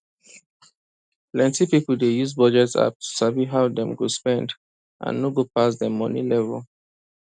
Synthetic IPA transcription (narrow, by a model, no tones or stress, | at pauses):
plɛ̃ntipipɔldejuzbɔd͡ʒɛtsa̰p̚tʰu̥saviɦaʊdɛ̃mɡospɛ̃nd | ʔã̰nːoɡopas̬dɛmɔnḭlɛvɛl